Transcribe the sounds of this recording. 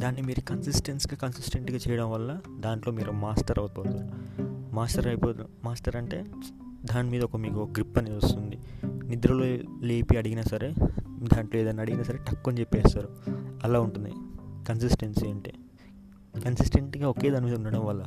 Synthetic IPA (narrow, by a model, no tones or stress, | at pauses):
d̪aːnːimiːɾukɐnsisʈensɡaːkɐnsisʈeɳʈɡaːt͡ʃɛːjɐɽɐmʋɐlːɐd̪aːɳʈlo̞ːmiːɾumaːsʈɐɾʔɐwpoːt̪aːɾumaːsʈɐɾɐjpoːt̪ | maːsʈɐɾɐɳʈe̞ː | d̪aːnimiːd̪ɐɔkɐmiːkuɡɾipːɐneust̪und̪inid̪ɾɐloːleːpiɐɽiɡinɐsɐɾeːd̪aːɳʈloːeːd̪ɐnːaɐɽiɡinɐːsɐɾe̞ːʈɐkːont͡ʃepːɛːsaːɾuɐlaːuɳʈund̪ḭkɐnsisʈenseːɳʈḛː | kɐnsisʈe̞ɳʈɡaːoke̞ːd̪aːnimiːd̪ɐuɳɖɐɽɐmʋɐlːɐ